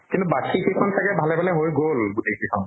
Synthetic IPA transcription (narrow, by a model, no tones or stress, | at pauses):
kintubakʰikʰekʰɔntʰakɛbʱalɛbalɛɦojɡolɡutejkʰekʰɔn